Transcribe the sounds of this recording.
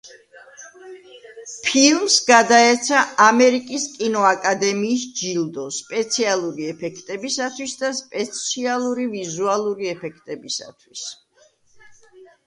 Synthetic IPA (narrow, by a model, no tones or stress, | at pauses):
pʰilˠmsɡad̪aɛt̪sʰaamɛɾikʼiskʼinɔakʼad̪ɛmiːsd͡ʒild̪ɔspʼɛt̪sʰialˠuɾiɛpʰɛkʰt̪ʼɛbisat̪ʰwisd̪aspʼɛt̪sʰialˠuɾivizualˠuɾiɛpʰɛkʰt̪ʼɛbisa̰t̪ʰwis